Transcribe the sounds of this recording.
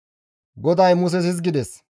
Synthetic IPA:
ɡɔd̪ɐjmʊs̬ɛsɪs̬ɡɪd̪ɛs

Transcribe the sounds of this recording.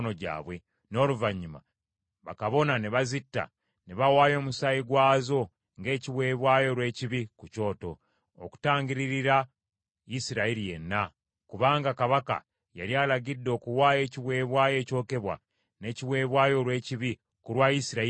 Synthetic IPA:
no̞ɟa̰ːβwe̞ | no̞ːluvaɲːuma̰ | βa̰kaβo̞naneβazitːa̰ | ne̞βawaːjo̞ːmusajiɡwaːzo̞ | ŋɡe̞ːciwe̞ːβwaːjo̞ɾwe̞ːciβikuco̞ːto̞̰ | oku̥taːɲɟiɾiɾiɾa | isiɾaiɾije̞̰nːa | kuβaːŋɡakaβaka̰ | ja̰ɾjaːlaɟidːo̞ːkuwaːje̞ːciβwe̞ːβwaːje̞ːco̞ːke̞βwa̰ | ne̞ciβwe̞ːβwaːjo̞lwe̞ːciβi | kuɾwaisiɾa

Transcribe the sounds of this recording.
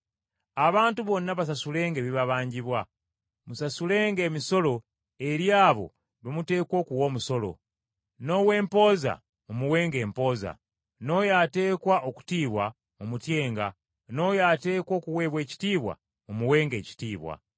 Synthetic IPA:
aβaːntuβo̞nːaβas̬asule̞ːŋɡeβiβaβaːɲɟiβwa | musasule̞ŋɡe̞ːmiso̞lo̞ | e̞ɾjaːβo̞̰ | βimute̞ːkwo̞ːkuwo̞ːmuso̞lo̞̰ | no̞we̞ːmpo̞ːza̰ | mumuwe̞ːŋɡe̞ːmpo̞ːza̰ | no̞jate̞ːkwaʔoku̥tiːβwa | mumutje̞ːŋɡa̰ | no̞jaːte̞ːkwo̞ːkuwe̞ːβwe̞ːci̥tiːβwa̰ | umuwe̞ːŋɡe̞ːci̥tiːβwa̰

